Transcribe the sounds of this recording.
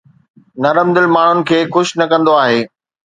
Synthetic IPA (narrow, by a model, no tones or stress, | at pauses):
nɐɾəmd̪ɪlmaːɳ̤ʊnɪ̆kʰeːxʊʃnɐkɐ̃nd̪oaːɦeː